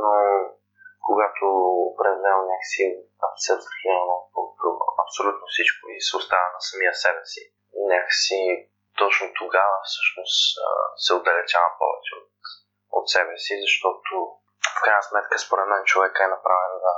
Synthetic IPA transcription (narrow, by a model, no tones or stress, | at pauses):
no | koɡat̪ʰoːpɾɛd̪mɛnonʲakə̥si | ɐfsɛvzɐximɐnopokt̪o̰ɐpsolʲut̪nofsit͡ʃkoisɛʊst̪avənɐsɐmijəsɛbɛsi | nʲakə̥si | t̪ɔt͡ʃnot̪oɡavəfsɤʃnosə̰sɛod̪ɐlɛt͡ʃavɐpɔ̰vɛ̰t͡ʃɛot̪ | o̰t̪sɛbɛsizɐʃt̪ɔt̪o | fkɾajnəsmɛt̪kəspoɾɛt̪mɛnt͡ʃovɛkəɛnɐpɾʔavɛnd̪a